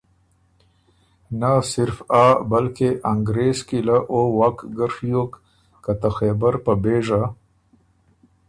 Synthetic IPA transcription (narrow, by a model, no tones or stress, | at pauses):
nasɪɾfabalkeʔaŋɡɾezkilaʔowakɡəɾfjok | kat̪axebəɾpabeʐa